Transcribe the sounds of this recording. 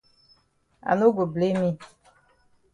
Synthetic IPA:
a̰˨no˦ɡo˨ble˦mi˦

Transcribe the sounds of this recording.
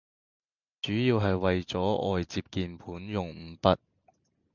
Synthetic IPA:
t͡ʃyː˨˥jiː˧wɦɐ˨jwɐ˨jt͡sɔː˨˥ʔɔ̰ː˨jt͡siː˧p̚kiː˨npʰuː˨˥njʊ˨ŋ̩˨˧pɐ˥t̚

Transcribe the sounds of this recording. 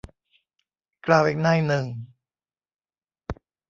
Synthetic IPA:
klaː˧˩wʔiː˨˩k̚naː˥˩jnɯ˨˩ŋ

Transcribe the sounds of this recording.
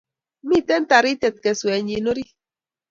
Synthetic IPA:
mi˦˨tɛ˦n˦ta˨ɾi˦tɛ˨t̪̚kɛ˨swɛ˨ɲi˨no˦ɾi˦

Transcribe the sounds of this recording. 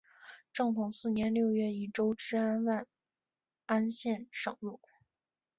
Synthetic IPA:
ʈ͡ʂɤ˥˩ŋk̪ʰʊ˨˩ŋsɹ̩˥˩njɛ˧˥nljo˥˧ʊɥɛ˥˩i˨˩ʈ͡ʂo˥ʊʈ͡ʂɻ̩˥a˥nwa˥˩n | a˥nɕjɛ˥˩nʂɤ˨˩ŋlu˥˩

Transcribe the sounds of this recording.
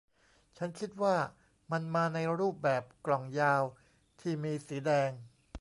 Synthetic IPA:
t͡ɕʰa˦˥nt͡ɕʰi˦˥t̪̚waː˥˩ | ma˧nmaː˧na˧jɾuː˥˩p̚bɛː˨˩p̚klɔ˨˩ŋjaː˧w | t̪ʰiː˥˩miː˧siː˩˦dɛː˧ŋ

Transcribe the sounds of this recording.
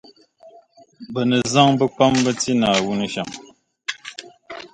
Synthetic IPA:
bə˨nə˨za˦ŋbə˦k͡pa˦mbə˦ti˦na˨wu˦nə˨ʃa̰˨ŋ

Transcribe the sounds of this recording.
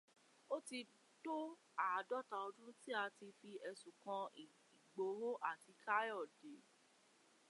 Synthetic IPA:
o˦ti˧ | to˦ | a˨dɔ˦˨ta˧ɔ˧dũ˦ti˦a˧ti˧fi˧ɛ˧sũ˨kã˧i˨ | i˨ɡ͡bo˨˦ɦo˦ʔa˦˨ti˨˧˦ka˦jɔ˦˨de˨

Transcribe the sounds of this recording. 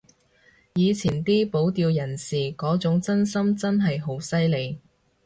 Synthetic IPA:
jiː˨˧t͡sʰiː˨˩nt̪iː˥po˨˥wt̪iː˧wjɐ˨˩nsiː˨kɔː˨˥t͡sʊ˨˥ŋt͡sɐ˥nsɐ˥mt͡sɐ˥nɦɐ˨jɦo˨˥wsɐ˥jle˨˧j

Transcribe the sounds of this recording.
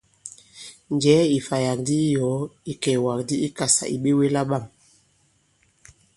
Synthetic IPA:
n˨d͡ʒɛ˨˦i˨fa˨ja˨k̚di˦jɔ˨˦i˨kɛ˨wa˨k̚di˦i˦ka˨sa̰˨ʔḭ˨ɓe˦we˦la˦ɓa˦˨m

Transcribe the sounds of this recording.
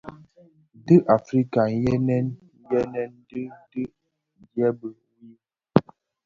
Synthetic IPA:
dɨ˦ʔa˨fɾi˦ka˨n˦jɛ˦nɛ˦n˦ | jɛ˦nɛ˦n˦dɨ˦dɨ˦ | djɛ˦bə˨˦ji˦

